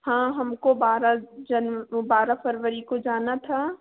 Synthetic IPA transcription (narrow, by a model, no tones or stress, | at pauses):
hãːɦɐmkobaːɾad͡ʒɐnbaːɾafəɾʋəɾikod͡ʒaːnat̪ʰa